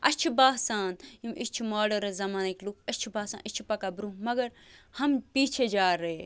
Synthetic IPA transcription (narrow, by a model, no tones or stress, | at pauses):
ɐt͡ʃʰibaːsaːnjumʔit͡ʃʰimaːɖɐɾzɐmaːniklukʰɐt͡ʃʰibaːsã̰nʔit͡ʃʰi̥pɐkabɾumɐɡɐɾ | hɐmpiːt͡ʃʰed͡ʒaːɾɐe